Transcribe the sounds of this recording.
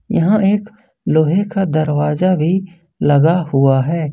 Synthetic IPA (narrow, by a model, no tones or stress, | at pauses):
jɐɦãʔeːk | loːɦekad̪ɐɾwaːzabʱi | lɐɡahʊaɦɛː